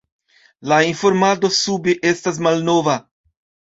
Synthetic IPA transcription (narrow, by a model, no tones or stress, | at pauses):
laiɱfoɾmad̪osubɪʔest̪ɐzmalnova